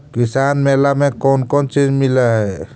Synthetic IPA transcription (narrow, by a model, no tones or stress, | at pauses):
kisanmelamekɔnkɔnt͡ʃid͡ʒmilɛɦɛ